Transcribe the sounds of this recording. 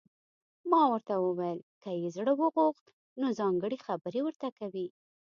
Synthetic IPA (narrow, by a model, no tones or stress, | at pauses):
mɑwəɾt̪awəwajəlkəjezɽəwəɣoxt̪ | nozɑŋɡəɽexabəɾewəɾt̪akawi